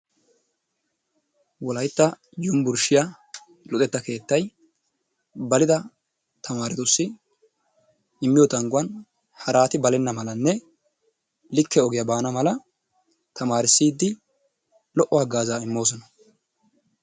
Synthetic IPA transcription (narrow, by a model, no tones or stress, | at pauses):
wɔlɐjt̪ːɐ | jʊmbʊɾʃɪja | lʊt̪ʼɛt̪ːɐke̞ːt̪ːɐj | bɐlɪd̪ɐ | t̪ʰɐmaːɾɪt̪ʊsːɪ | ɪmːɪjɔt̪ɐŋɡʊwɐn | hɐɾaːt̪ɪbɐlɛnːɐmɐlɐnːɛ | lɪkːɛɔɡɪjɐbaːnɐmɐlɐ | t̪ɐmaːɾɪsːiːd̪ːɪ | lɔʔːɔɐɡaːzaːɪmːo̞ːsɔnɐ̥